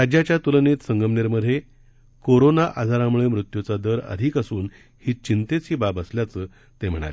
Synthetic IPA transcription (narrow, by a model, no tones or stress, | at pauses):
ɾad͡ʑjat͡ɕjat̪ulənet̪səŋɡəmneɾməd̪ʱe | koɾonaʔad͡zʱaɾamuɭemɾut̪jut͡sad̪əɾə̰d̪ʱikəsuːn | hiːt͡ɕint̪et͡ɕiːbabəsljat͡səː | t̪em̤əɽ̃a̰le